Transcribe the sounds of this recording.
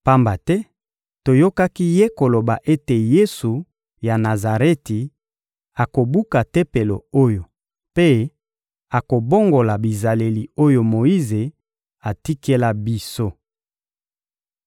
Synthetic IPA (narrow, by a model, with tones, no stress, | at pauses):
pa˦mba˨tɛ˦ | to˨jo˦ka˦ki˦je˦ko˨lo˨ba˨ʔe˦te˨je˦su˨ | ja˨na˨za˨ʁe˦ti˨ | a˨ko˨bu˦ka˨te˦pe˨lo̰˨o˦jo˨ | pe˦ | a˨ko˨bo˦ŋɡo˨la˨bi˨za˨le˨li˨o˦jo˨mo˨i˦ze˨ | a˨ti˦ke˦la˦bi˦so˦